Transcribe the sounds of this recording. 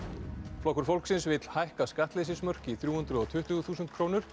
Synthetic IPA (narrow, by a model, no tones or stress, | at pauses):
flɔhkʏɾ̥fowlksɪnsvɪt̪l̥hajhkaskaht̪lɪs̬ɪsmœr̥cɪiθɾjuːhʏnt̪ɾʏðɔt̪ʰʏht̪ʏɣθuːsʏnt̪̚kʰɾoːwnʏɾ̥